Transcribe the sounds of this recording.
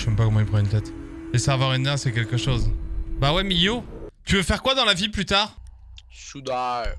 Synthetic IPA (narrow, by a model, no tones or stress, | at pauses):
ʃɛmpakɔmãipχɑ̃ynt̪ɛt̪lesɛʁvœʁinɛ̃sɛkʲɛlkəʃozbawɛmijot̪yvəfɛʁkwad̪ɑ̃laviplyt̪aːʁ | sud̪a